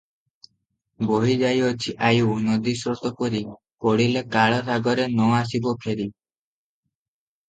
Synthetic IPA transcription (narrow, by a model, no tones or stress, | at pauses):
boɦid͡ʒajɔt͡ʃʰiʔajunɔd̪isɾɔt̪ɔkɔɾi | kɔɽilekaɭɔɾaɡɔɾenɔas̬ibɔpʰeɾi